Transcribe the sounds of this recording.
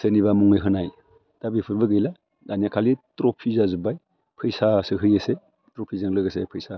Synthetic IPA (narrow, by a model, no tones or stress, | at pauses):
seniβamuŋɯjɦɯnaj | d̥abipʰɯɾbɯɡɯjla | daniakʰalitɾɔpʰizazubaj | pʰɯjsasɯɦɯjɯse | tɾɔpʰizaŋlɯɡasepʰɯjsa